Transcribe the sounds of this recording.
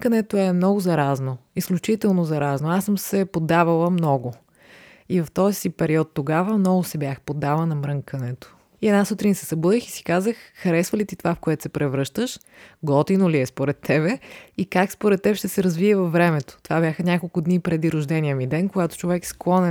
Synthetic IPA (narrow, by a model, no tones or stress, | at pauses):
kənɛt̪oɛmnɔɡʊzɐɾaznoisklʲut͡ʃit̪ɛlˠnozɐɾaznoasəmsɛpod̪ːavɐlˠəmnɔɡo | ivɐft̪ɔzipɛɾiɔt̪ːoɡavəmnɔɡʊsɛbjaxpod̪ːavənɐmɾɤŋkɐnɛt̪o̥ | iɛd̪nasut̪ɾinsɛ̥sɐbud̪ixisi̥kazəxxɐɾɛsvəlit̪it̪ovafkoɛt̪o̥sɛpɾɛvɾɤʃt̪əʃ | ɡɔt̪inoliɛspoɾɛt̪ːɛbɛikakspoɾɛt̪ːɛbʃt̪ɛsɛɾɐzviɛvɐfvːɾɛmɛt̪o̥t̪ovabʲjaxənʲakolˠkʊd̪nipɾɛd̪iɾʊʒd̪ɛnʲiəmid̪ɛnkoɡat̪o̥t͡ʃovɛksklˠɔnɛ